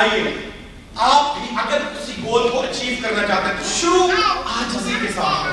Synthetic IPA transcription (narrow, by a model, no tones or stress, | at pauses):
aːieː | aːpĩʔɐɡəɾt̪ʊsĩɡoːlkoʔɐt͡ʃiːʋkɐɾnat͡ʃaːɦt̪eɦẽt̪ʃʊɾuːaːd͡ʒɦɐziːɾɪsaː